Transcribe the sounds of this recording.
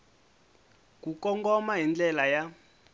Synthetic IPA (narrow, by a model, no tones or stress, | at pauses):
kukɔŋɡɔmaɦind͡ɮɛlaja